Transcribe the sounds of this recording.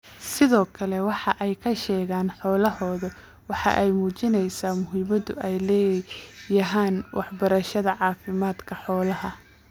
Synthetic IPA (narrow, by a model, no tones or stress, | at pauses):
sɪðɔːkʰɐlɛwɑħɑʔɛjkʰɐʃɛːɣaːnħɔːlɐɦɔːðɐ | wɑħɑ̰ʔɛjmuːt͡ʃɪnɛjsaːmʊɦɪmɐðʊɛjlɛːjɐɦaːnwʔɑħbɐɾɐʃɐðɐʕɑːfɪmaːd̪kʰɐħɔːlɐɦɐ